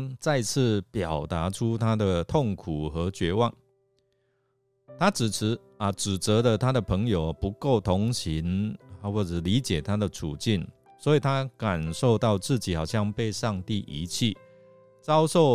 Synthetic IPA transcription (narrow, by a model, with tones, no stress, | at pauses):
t͡sa˥˧ɪt͡sʰɹ̩˥˩pjɑ˨˩ʊt̪a˧˥˦ʈ͡ʂʰu˥t̪ʰa˥d̪ə˨t̪ʰo˥˩ŋkʰu˨˩xə˧˥t͡ɕɥɛ˧˥wɑ˥˩ŋ | t̪ʰa˥ʈ͡ʂɻ̩ʰ˨˩˧ | ə˨˩ʈ͡ʂɻ̩˨˩t͡sə˧˥d̪ə˨t̪ʰa˥d̪ə˨pʰə˧˥ŋjo˨˩ʊpu˧˥ko˥˩ʊt̪ʰo˧˥ŋɕi˧˦nwɔ˥˩ʈ͡ʂə˨˩li˨˦t͡ɕjɛ˨˩t̪ʰa˥d̪ə˨ʈ͡ʂʰṵ˨˩t͡ɕi˥˩n | swɔ˧˥i˨˩t̪ʰa˥ka˨˩nʂo˥˧ʊt̪ɑ˥˧ʊt͡sɹ̩˥˩t͡ɕi˨˥xɑ˨˩ʊɕjɑ˥˧ŋpe˥˧ɪʂɑ˥˧ŋt̪i˥˩ʔḭ˧˥t͡ɕʰi˥˩ | t͡sɑ˥ʊʂo˥˩ʊ